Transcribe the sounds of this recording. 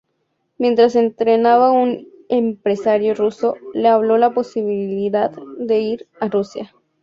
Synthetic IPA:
mje̞nt̪ɾase̞nt̪ɾenaβaun | empɾe̞saɾjoruso̞leaβlo̞lapo̞siβiliðaðd̪e̞iɾarusja

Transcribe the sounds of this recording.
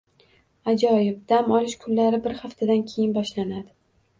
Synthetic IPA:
ad͡ʒɒjɪp̚d̪amɒlɪʃkʰʊnːaɾɪbɪɾhaft̪ʰad̪ankʲʰejɪnbɒʃlanad̪ɪ

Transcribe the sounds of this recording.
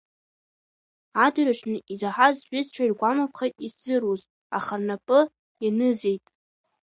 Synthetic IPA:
adɨraʂʰnɨʔizaħazʒʷᶣɪzʈ͡ʂʷʰairɡʷamapʰχejtʼisz̥ɨruz | aχarnapʼɨ | janɨze̞jtʼ

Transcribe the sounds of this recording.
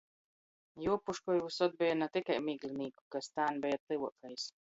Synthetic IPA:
juɔpuʃkɔjvusɔd̪̚bɛjanat̪ikajmiːɡlʲˠiniːku̥kast̪aːnbʲɛjat̪lɨwɔkɛjs

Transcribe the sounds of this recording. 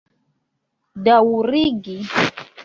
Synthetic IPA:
dawuɾiɡi

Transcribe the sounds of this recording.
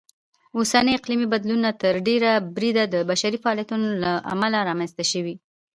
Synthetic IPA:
osanəɪqlimibad̪lunat̪əɾɖeɾabɾid̪ad̪əbaʃaɾifaɑliat̪unolaʔa̰malaɾɑmanzt̪aʃəwi

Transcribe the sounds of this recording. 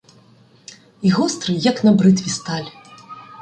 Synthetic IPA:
iɣɔst̪ɾɨjɐknɐbɾɨt̪vʲist̪alʲ

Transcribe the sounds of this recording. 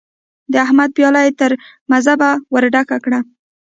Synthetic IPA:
d̪əahmad̪̚pjɑlajt̪əɾ | mazabawəɾɖakakɽa

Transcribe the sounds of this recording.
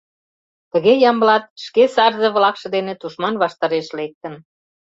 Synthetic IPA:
t̪ə̆ɣejɑmblɑt̪̚ʃkesɑrzɤβlɑkʃɤ̆d̪enet̪uʃmɑnβɑʃt̪ɑɾeʃlek̚t̪ə̆n

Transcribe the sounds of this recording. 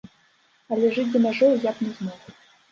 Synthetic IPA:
alʲɛʐɨt͡sʲd̪ɐmʲaʐɔwjapnʲɛzmɔχ

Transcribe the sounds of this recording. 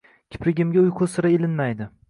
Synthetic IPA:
kʲʰɪ̥pɾɪɡʲɪmɡʲaʊjqʰʊsɪɾaelɪnmajd̪ɪ

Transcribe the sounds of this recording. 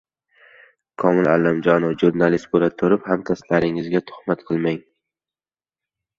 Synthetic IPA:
kʰɒmɪla̰lːamd͡ʒɒnɒfʒuɾnalist̪̚bolat̪ʰoɾɪphamt̪ʰast̪laɾɪŋɪzɡʲat̪ʰʊ̥hmat̪qʰɨlˠmaŋ

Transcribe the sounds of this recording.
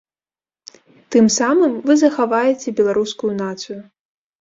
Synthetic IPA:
t̪ɨmsamɨmvɨzɐxavajɛt͡sʲɛbʲɛlˠaɾuskujunat̪sɨju

